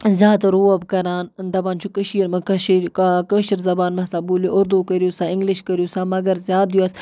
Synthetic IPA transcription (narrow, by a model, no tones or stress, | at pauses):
zʲjaːt̪ɾuːɐbkɐɾaːnd̪ɐbaːnt͡ʃʰukəʃiːɾmɐkɐʃkəʃəɾzɐbaːnmɐsaːbuljoʔʊɾd̪ukəɾijusaːɪŋɡlɪʃkəɾijusaːmɐɡɐɾzʲjaːd̪juɐs